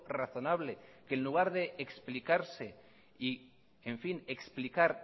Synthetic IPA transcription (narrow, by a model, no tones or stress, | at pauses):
raθo̞naβlekenluɣ̞aɾðe̞ːksplikaɾse̞ | i | eɱfine̞ksplikaɾ